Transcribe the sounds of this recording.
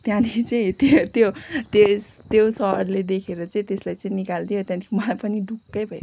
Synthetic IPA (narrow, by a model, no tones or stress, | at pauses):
t̪jãnit͡saĩt̪t̪jot̪est̪josʌrled̪ekʰeɾʌt͡saĩt̪eslajt͡saĩnikald̪ijot̪jãnt̪ʰimʌlajpʌniɖʱukːʌjbʱʌj